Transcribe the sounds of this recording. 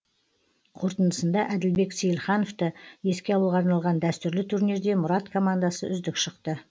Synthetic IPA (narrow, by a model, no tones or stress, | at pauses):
qʰo̞ɾt̪ənəsənd̪ɑʔæd̪ɪlbe̞ksejlˠχɑnoft̪əe̞skʲe̞ɑwəlˠʁɑɾnɑlˠʁɑnd̪æst̪ʏɾlɪt̪ʰuɾne̞ɾd̪e̞mʊɾɑt̪kʰo̞mand̪asəʔʏzd̪ɪkʃəqt̪ə